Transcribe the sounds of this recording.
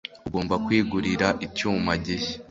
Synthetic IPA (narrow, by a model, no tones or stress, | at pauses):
uɡo̞ːmbakwiːɡuɾiɾaʔicuːmaɟeçe̥